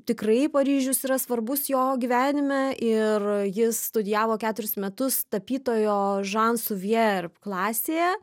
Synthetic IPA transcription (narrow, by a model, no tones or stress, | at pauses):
t̪ʲɪkrɐɪpɐɾʲiːʒʲʊsiːɾɐsʋɐrbʊsjoːɡʲiːʋʲæːnʲɪmʲɛʔɪrjɪsst̪ʊd̪ʲɪjæːʋoːkʲæːt̪ʊɾʲɪsmʲɛt̪ʊst̪ɐpʲiːt̪oːjoːʒɑnsʊʋʲɛrpklˠɑːsʲeːjɛ